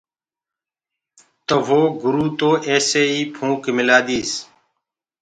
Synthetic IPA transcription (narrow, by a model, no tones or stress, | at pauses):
t̪əʋoːɡʊɾuːt̪oːʔeːseːiːpʰũːkmɪlaːd̪iːs